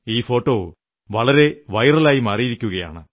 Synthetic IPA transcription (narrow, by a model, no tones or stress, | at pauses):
iːfo̞ːʈːoː | ʋɐɭɐɾe̞ʋɐjɐrɐlaːjimaːrijiɾikʲːuɣɐja̰ːɳɨ